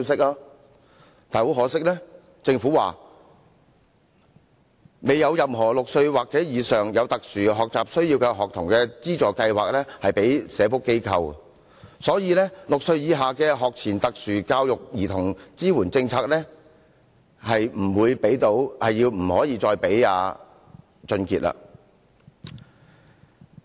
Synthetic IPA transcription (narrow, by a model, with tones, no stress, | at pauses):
sɪ˥k̚laː˧ | t̪aː˨nho˨˥wɦɔː˨˥sɪ˥k̚lɛː˥ | t͡sɪ˧ŋfuː˨˥waː˨ | me˨jːɐ˨˧wjɐ˨mɦɔː˨˩lʊ˨k̚sɵ˧ɥwaː˨k̚t͡sɛː˨˥jiː˨˧sœː˨˩ŋjɐ˨˧wt̪ɐ˨k̚syː˨˩ɦɔː˨k̚t͡saː˨˩p̚sɵ˥ɥjiː˧wkɛ˧ɦɔː˨k̚t̪ʰʊ˨˩ŋkɛː˧t͡siː˥t͡sɔː˨˩kɐ˧jwaː˨k̚lɛː˥hɐ˨jpe˨˥jsɛː˨˧fʊ˥kːe˥jkʰɐ˧w | sɔː˨˥jiː˨˧lɛː˥lʊ˨k̚sɵ˧ɥjiː˨˧ɦaː˨kɛː˧ɦɔː˨k̚t͡sʰiː˨˩nt̪ɐ˨k̚syː˨˩kaː˧wjʊ˨k̚jiː˨˩t̪ʰʊ˨˩ŋt͡siː˥wuː˨˩nt͡sɪ˧ŋt͡sʰaː˧k̚lɛː˥ | hɐ˨jm̩˨˩wuː˨˧jpe˨˥jt̪o˨˥whɐ˨jːiː˧wm̩˨˩hɔː˨˥jiː˨˧t͡sɔː˧jpe˨˥ja̰ː˨˧ | t͡ʃɵ˧nkiː˨t̚ʔa̰ː˧